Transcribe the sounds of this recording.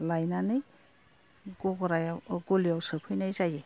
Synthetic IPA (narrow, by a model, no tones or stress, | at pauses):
lajnanɯj | ɡɔɡɾajɡulijawsɯpʰɯjnajzaje